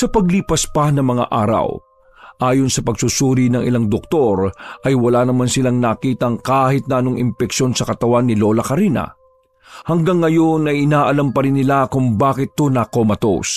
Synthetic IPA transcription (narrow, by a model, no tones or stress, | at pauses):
sɐpɐɡliːpɐspɐnɐŋmɐŋa̰ʔaːɾɐ̰w | ʔaːjonsɐpɐɡsʊsuːɾinɐŋʔɪ̰laŋd̪ok̚t̪o̞ɾʔɐjwɐlaːnɐmansɪlaŋnakiːt̪ɐŋkaːhɪt̪̚nɐʔɐno̞ŋɪmpɛkʃo̞nsɐkɐt̪ɐwanːɪlo̞ːlɐkɐɾiːnɐ̰ | hɐŋɡaŋːɐjo̞nɐjɪnaːʔɐlampɐɾɪnːɪlakʊŋbaːkɪt̪ːonako̞mɐt̪o̰s